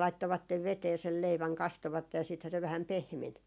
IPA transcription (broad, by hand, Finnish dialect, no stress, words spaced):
lɑitːoʋɑtːeʋ ʋeteː sel leiʋæŋ kɑstoʋɑtːej jɑ siːthæ se ʋæhæm pehmen